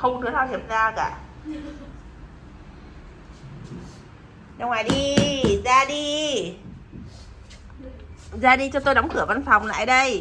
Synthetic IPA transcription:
xə˧wŋ͡mt̪ɨ˨˦t̪ʰaː˧wt̪i˧˩əp̚zaː˧kaː˧˩ | ɗa˧wŋwaː˨˩jɗi˧zaː˧ɗi˧ | zaː˧ɗi˧t͡ɕɔ˧t̪o˧jɗɔ˨˦ŋ͡mkɨ˧˩əva˧nfɔ˨˩wŋ͡mla̰ː˧˨jɗə˧j

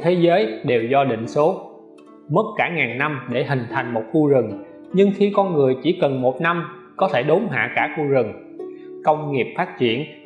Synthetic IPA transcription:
t̪ʰe˨˦zəː˨˦jɗe˨˩wzɔ˧ɗḭ˧˨ŋ̟so˨˦ | mə˦˥t̚kaː˧˩ŋaː˨˩nna˧mɗe˧˩ɦï˨˩ŋ̟t̪ʰa˨˩jŋ̟mo˨˩t̚xu˧zɨ˨˩ŋ | ɲɨ˧ŋxi˧kɔ˧nŋɨ˨˩əjt͡ɕi˧˩kə˨˩nmo˨˩t̚na˧m | kɔ˨˦t̪ʰe˧˩ɗo˨˦mɦa̰ː˧˨kaː˧˩xu˧zɨ˨˩ŋ | kə˧wŋ͡mŋi˨˩əp̚faː˦˥t̚t͡ɕḭ˧˩ən

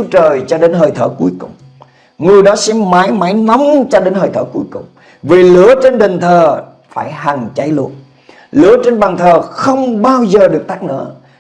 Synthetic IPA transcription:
u˦t͡ɕəː˨˩jt͡ɕɔ˧ɗe˨˦nɦəː˨˩jt̪ʰəː˧˩ku˨˦əjkʊ˨˩ŋ͡m | ŋɨ˨˩əjɗɔ˨˦sɛ̰˧˥maː˨˦jmaː˨˦jna˨˦wŋ͡mt͡ɕɔ˧ɗe˨˦nhəː˨˩jt̪ʰəː˧˩ku˨˦əjkʊ˨˩ŋ͡m | vi˨˩lɨ̰˧˥ət͡ɕe˧nɗï˨˩ŋ̟t̪ʰəː˨˩ | faː˧˩jɦa˨˩ŋt͡ɕa˨˦jlṵ˧˩ən̚ | lɨ̰˧˥˦ət͡ɕe˧nɓaː˨˩ŋt̪ʰəː˨˩xə˧wŋ͡mɓaː˧wzəː˨˩ɗɨ˨˩ək̚t̪aː˦˥k̚nə̰˧˥

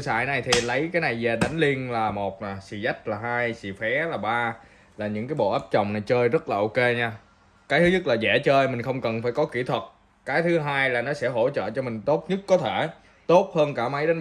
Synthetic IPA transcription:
sa̰ː˧˨jna˨˩jt̪ʰi˨˩lə˨˦jkaː˨˦jna˨˩jzɛ˨˩ɗa˨˦jŋ̟li˧ənlaː˨˩mo˨˩t̚naː˨˩sḭ˧˩za˦˥jk̟̚laː˨˩ɦaː˧jsḭ˧˨fɛ˨˦laː˨˩ɓaː˧ | laː˨˩ɲɨ̰˧˥ŋkaː˨˦jɓo̰˧˨ʔaː˦˥p̚t͡ɕɔ̰˨˩wŋ͡mna˨˩jt͡ɕəː˧jzə˦˥t̚laː˨˩ʔo˧ke˧ɲaː˧ | kaː˨˦jt̪ɨ˨˦ɲɨ˦˥t̚laː˨˩zɛ̰˧˩t͡ɕəː˧jmï˨˩ŋ̟xə˧wŋ͡mkə˨˩nfaː˧˩jkɔ˨˦ki˧˩t̪ʰwə˨˩t̚ | kaː˨˦jt̪ʰɨ˨˦ɦaː˧jlaː˨˩nɔ˨˦sɛ̰˧˥ɦo̰˧˥t͡ɕə̰ː˧˨t͡ɕɔ˧mï˨˩ŋ̟t̪o˦˥t̚ɲɨ˦˥t̚ːɔ˨˦t̪ʰe˧˩ | t̪o˦˥t̚həː˧nkaː˧˩ma˨˦jɗa˨˦n

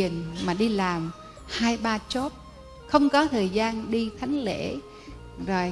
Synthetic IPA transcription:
ənmaː˨˩ɗi˧laː˨˩m | haː˧jɓaː˧t͡ɕo˦˥p̚ | xə˧wŋ͡mkɔ˨˦t̪ʰəː˨˩jzaː˧nɗi˧t̪ʰa˨˦jŋ̟lḛ˧˥ | zo˨˩j

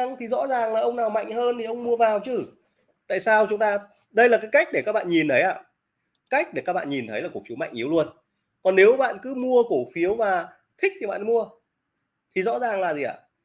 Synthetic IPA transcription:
ŋt̪ʰi˨˩zɔ̰˧˥zaː˨˩ŋlaː˨˩ʔə˧wŋ͡mnaː˨˩wma̰˧˨jŋ̟ɦəː˧nt̪ʰi˨˩ʔə˧wŋ͡mmu˧əvaː˨˩wt͡ɕɨ˧˩ | t̪a̰ː˧˨jsaː˧wt͡ɕʊ˨˦ŋ͡mt̪aː˧ | ɗə˧jlaː˨˩kaː˨˦jka˦˥jk̚ɗe˧˩kaː˦˥k̚ɓa̰ː˧˨ɲi˨˩nt̪ʰə˨˦jʔaː˧ | ka˦˥jk̟̚ɗe˧˩kaː˦˥k̚ɓa̰ː˧˨ɲi˨˩nt̪ʰə˨˦jlaː˨˩ku˧˩fi˨˦wma̰˧˨jŋʔi˨˦wlu˧ən | kɔ˨˩nːe˨˦wɓa̰ː˧˨nkɨ˨˦mu˧əko˧˩fi˨˦əwmaː˨˩ | t̪ʰï˦˥k̚t̪ʰi˨˩ɓa̰ː˧˨n˧˦mu˧ə | t̪ʰi˨˩zɔ̰˧˥zaː˨˩ŋlaː˨˩zi˨˩ʔa̰ː˧˩

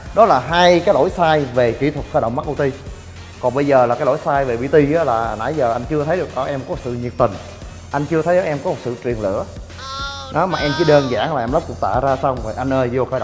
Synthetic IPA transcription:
ɗɔ˨˦laː˨˩ɦaː˧jkaː˨˦jlo̰˧˥jsaː˧jve˨˩kḭ˨˧˥t̪ʰwə˨˩t̚xəː˧˩ɗə̰˧˨wŋ͡mma˦˥k̚ʔə˧wt̪i˧ | kɔ˨˩nɓə˧jzəː˨˩laː˨˩kaː˨˦jlo̰˧˥˦jsaː˧jve˨˩ɓḭ˧˥t̪i˧aː˨˦laː˨˩˨na̰ː˧˩˦jzəː˨˩ʔa˧jŋ̟t͡ɕɨ˧ət̪ʰə˨˦jɗɨ˨˩k̚ʔəː˧˦ʔɛ˧mkɔ˨˦˩sɨ̰˧˨ɲi˨˩əp̚t̪ï˨˩ŋ | ʔa˧jŋ̟t͡ɕɨ˧ət̪ʰə˨˦jzəː˧˦˥ʔɛ˧mkɔ˨˦mo˨˩t̚sɨ̰˧˨t͡ɕwi˨˩əŋlɨ̰˧˥˨ə | nɔ˨˦maː˨˩ʔɛ˧mt͡ɕi˧˦ɗəː˧nza̰ː˧˦ŋlaː˨˩ʔɛ˧mlə˦˥p̚kʊ̰˨˩t̪a̰ː˧˨zaː˧sa˧wŋ͡mvʔa˧jn̟ʔəː˧jzo˧xəː˧ɗ̰

